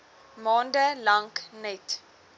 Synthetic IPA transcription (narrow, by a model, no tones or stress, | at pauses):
mɔ̃ːndəlãŋknɛt